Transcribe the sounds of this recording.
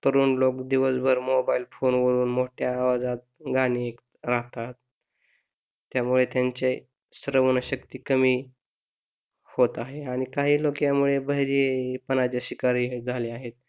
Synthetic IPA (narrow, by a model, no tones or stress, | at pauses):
t̪əɾuːnlokd̪iʋəsbʱəɾmobailfonʋəɾuːnmoʈʰjaːʋad͡zat̪̚ɡaɽ̃iːek | ɾaɦt̪at̪̚ | jamuɭet̪jaɲt͡ɕe | səɾəʋənəɕəkt̪iːkəmiː | hot̪aɦeaɽ̃ikaɦiːlokjamuɭebəjɾepənat͡ɕjaɕikaɾiːd͡zʱaleaɦet̪̚